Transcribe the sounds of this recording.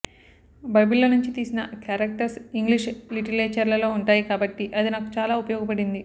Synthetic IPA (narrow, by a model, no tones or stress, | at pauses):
bɐjbilːonuɲt͡ʃit̪iːsinɐkaːɾɐk̚ʈɐɾsiŋɡliʃliʈileːt͡ʃɐɾlɐlo̞ːuɳʈaːjikaːbɐʈːiʔɐd̪inaku̥t͡ʃaːlaːupɐjɔːɡɐpɐɽind̪i